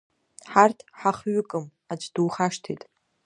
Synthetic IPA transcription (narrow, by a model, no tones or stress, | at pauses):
ħartʰħaχɥʊkʼɨm | ad͡ʒʷʰʼduːχaʂtʰejtʼ